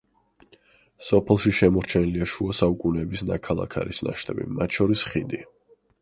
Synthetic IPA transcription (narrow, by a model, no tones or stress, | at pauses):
sɔpʰɛlˠʃiʃɛmɔɾt͡ʃʰɛniliaʃuasaukʼunɛːbisnakʰalˠa̰kʰa̰ɾisna̰ʃt̪ʰʼɛbḭmat̪ʰʃɔɾisχid̪i